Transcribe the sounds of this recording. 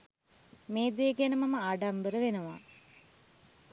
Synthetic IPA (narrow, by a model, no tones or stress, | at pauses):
meːd̪eːɡenəmɐməaɖambəɾəʋenəʋa̰